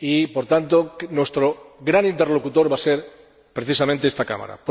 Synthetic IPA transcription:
ipo̞ɾt̪ant̪onwe̞st̪ɾoɡɾanĩnt̪e̞ɾlo̞kut̪o̞ɾβaseɾ | pɾe̞θisamẽnt̪eest̪aka̰ma̰ɾa̰p

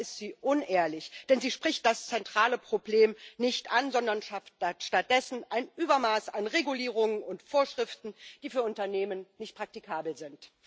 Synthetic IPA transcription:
ɪstz̥iːʔʊnʔeːɐlɪçd̥ɛnziːʃpʁ̥ɪçt̚d̥ast͡sɛntʁ̥aːləpʁ̥obleːmnɪçtʔanzɔndɐnʃaftatʃtat̚d̥ɛsn̩ʔaɪnʔyːbɐmaːsanʁeɡuliːʁ̞ʊŋənʊntfoːɐʃʁ̥ɪftn̩d̥iːfyːɐʊntɐneːmənnɪçt̚pʁ̥ak̚tikʰaːbl̩zɪnt

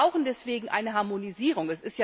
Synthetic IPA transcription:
aʊxn̩dɛsv̥eːɡŋ̩ʔa̰ɪnəɦaɐmoniziːʁ̞ʊŋɛsɪstja

